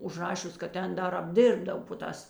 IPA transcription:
ʊʒˈrɑːʃʲʊs kɐt ˈtʲɛn ˈdɐr ɐbʲˈdʲɪrbdɐw poː ˈtɑːs

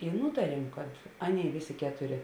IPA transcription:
ɪ ˈnuːtɐrʲiɛm kɐt ˈɑːˌnʲeːɪ ˈʋʲeːˌsʲeː ˈkʲæːtʊˌrʲeː

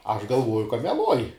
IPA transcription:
ɐʃ ɡɐlˠˈʋuɔjʊ kɐ mʲɛˈlˠuɔj

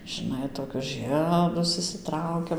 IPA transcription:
ʒɨˈnɐɪ toːˈkʲʊs ˈʒɨɛdʊs ɪʃʲsʲɪˈtrɐʊkʲɛm

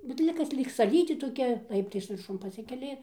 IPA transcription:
bʲɛt ˈlʲɪk kɐs ˈlʲiːk sɐˈlʲiːtʲeː toːˈkʲɛ ˈlˠɐɪptɐɪs ʋʲɪrˈʃʊn pɐˈsʲɪkʲɛlʲɪ

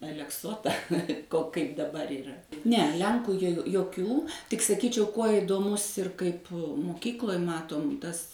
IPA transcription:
ɐlʲɛkˈsoːtɐ koː kɐɪp dɐˈbɐr iːˈrɐ nʲɛ ˈlʲɛŋkuː joː joːˈkʲuː tʲɪk sɐˈkʲiːt͡ʃʲɛʊ ˈkuɔ ɪdoːˈmʊs ɪr ˈkɐɪp mʊˈkʲiːklˠoːj ˈmɑːtoːm ˈtɐs

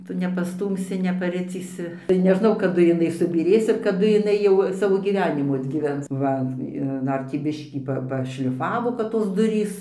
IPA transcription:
ˈtʊ nʲɛpɐˈstuːmʲsʲɪ nʲɛpɐˈrʲɪt͡sʲiːsʲɪ tɐɪ nʲɛˈʒnɐʊ kɐˈdʊ jɪˈnɐɪ sʊbʲiːˈrʲeːs ɪr kɐˈdʊ jɪˈnɐɪ jɛʊ ˈsɑːʋoː ɡʲiːˈʋʲæːnʲɪmuː ɐdʲɡʲiːˈʋʲɛns ˈʋɐ ɪr ˈdɐr tʲiː ˈbʲɪʃʲkʲiː ˈpɐ ˈpɑːʃʲlʲɪˈfɑːʋoː kɐt toːs ˈdʊrʲiːs

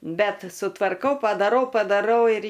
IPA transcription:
ˈbʲɛt sʊtʋɐrˈkɐʊ pɐdɐˈrɐʊ pɐdɐˈrɐʊ ɪr

